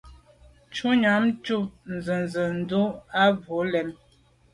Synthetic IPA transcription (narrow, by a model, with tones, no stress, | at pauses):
t͡ʃu˦ɲa˨˦mt͡ʃu˦˨n̩˨zə˨nzə˨n̩˨˦du˦a˦vo˨˦lɛ˨˦m